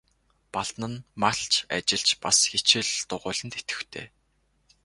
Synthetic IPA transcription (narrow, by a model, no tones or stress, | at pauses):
paɮt̪nə̆nmaɬt͡ɕa̰t͡ɕɪ̆ɮt͡ɕpasxet͡ɕɪ̆ɮt̪ʊʁʊːɮə̆nt̪e̥t̪ɡɘ̆xt̪ʰḛː